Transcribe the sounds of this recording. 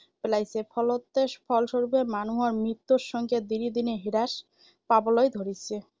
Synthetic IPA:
pelajsʰepʰɔlot̪ːeʃpʰɔlʃoɾubemanuɦaɾmɾit̪ːoɾʃɔŋɡed̪iɾid̪ineɦiɾaʃ | pabolojd̪ʱoɾit͡ɕʰe

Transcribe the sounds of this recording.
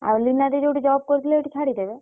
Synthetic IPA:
a̰linad̪id͡ʒowʈid͡ʒɔb̚koɾt̪ʰileeʈit͡ʃʰaɽid̪ebe

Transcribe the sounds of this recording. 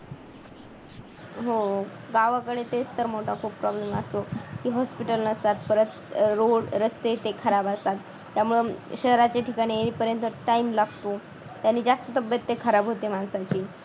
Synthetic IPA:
ɦo | ɡaʋakəɭet̪et͡st̪əɾmoʈʰakʰuːppːɾɔblemast̪okiːɦɔspiʈəlnəst̪at̪̚pəɾət̪ | ɾoɽɾəst̪et̪ekʰəɾabast̪at̪ːjamuɭəɕəɦɾat͡ɕeʈʰikaɽ̃iːenipəɾjənt̪əʈaimlaɡt̪o | t̪janːiːd͡zast̪ət̪əbjət̪ːekʰəɾabɦot̪emansat͡ɕiː

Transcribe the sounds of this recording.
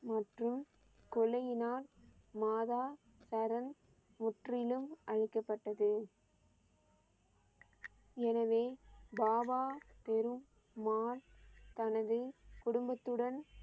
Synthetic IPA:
mɐʈrɯm | kɔlɐjɪnaːlmaːðaː | sɐɾɐn | mʊʈrɪlɯmʔɐɻɪkːɐpːɐʈːɐðɯ | ɛnɐʋeːbaːbaːpɛɾɯmː | aːlt̪ɐnɐðɯkʊɽʊmbɐt̪ːɯɽɐn

